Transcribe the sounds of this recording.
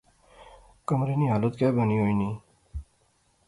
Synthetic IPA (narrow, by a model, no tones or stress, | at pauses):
kəmɾiniɦalut̪kaːbəniɦoːinĩː